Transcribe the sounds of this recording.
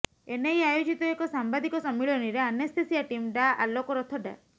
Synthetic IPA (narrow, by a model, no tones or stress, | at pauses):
enejajud͡ʒit̪ɔekɔsambad̪ikɔsɔmːiɭɔniɾeanest̪ʰesiaʈimɖaa̰lokɔɾɔt̪ʰɔɖa̰